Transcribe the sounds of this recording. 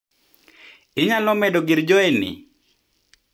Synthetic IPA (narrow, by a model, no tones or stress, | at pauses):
ɪɲalɔmɛdɔɡɪɾd͡ʒɔɛnɪ̰